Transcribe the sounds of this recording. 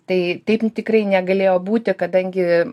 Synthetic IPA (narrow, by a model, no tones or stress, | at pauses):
t̪ɐɪt̪ɐɪpt̪ʲɪkrɐɪnʲɛɡɐlʲeːjoːbuːt̪ʲɪkɐd̪ɐŋʲɡʲɪ